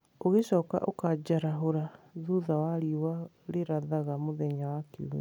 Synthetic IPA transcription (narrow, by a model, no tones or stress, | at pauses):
oɣeɕɔːka̰ʔo̰kad͡ʑaɾaɦoɾaðuðawaɾiwa | ɾeɾaðaɣamoðɛɲawakeṵm